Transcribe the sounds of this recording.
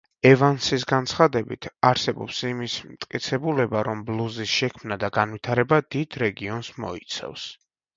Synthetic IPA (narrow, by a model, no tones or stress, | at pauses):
ɛvansisɡant̪sʰχad̪ɛbit̪ʰaɾsɛbɔ̰psimismt̪ʼkʼit̪sʰɛbulɛbaɾɔmblˠuzisʃɛkʰmnad̪aɡanvwit̪ʰaɾɛbad̪id̪̥ɾɛɡiɔnsmɔ̰it̪sʰɛ̰fs